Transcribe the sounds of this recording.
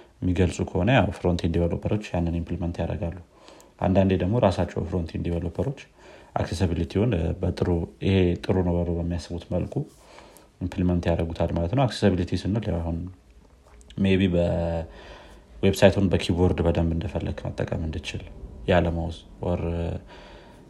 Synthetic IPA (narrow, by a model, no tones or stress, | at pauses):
mːiɡəlsʼukʰəho̞nəjawfɨɾont̪ʰend̪iβəlo̰pʰəɾo̞t͡ʃːjanːɨnimpʰlimənt̪jaɾə̰ɡalːu | ʔa̰nd̪and̪ed̪əɡmo̞ɾasat͡ʃːɛ̰wfɨɾont̪ʰend̪iβəlopʰəɾo̞t͡ʃː | ʔa̰ksesəβilit̪ʰiwonbət̪ʼɨɾuɪhe̞t̪ʼɨɾunəwbələwbəmːijasːɨβut̪məlkʰʼu | impʰlimənt̪jaɾəɡut̪ʰalmalət̪nəwaksesəβilit̪ʰisɨnːɨljawaɦun | meβibə | websajt̪ʰhunbəkʰiboɾd̪bəd̪əmbɨnd̪əfəlːəɡmə̰t̪ʼːə̰kʼəmɨnd̪ɨt͡ʃɪljaləməwz | wɔɾ